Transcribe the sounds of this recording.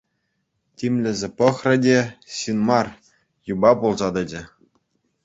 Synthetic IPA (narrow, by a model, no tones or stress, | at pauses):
tʲimʲlʲɘ̆zʲĕpɤ̆χrʲɘ̆dʲeɕinmɑr | jubɑpulˠzɑd̪ɤ̆d͡ʑɘ̆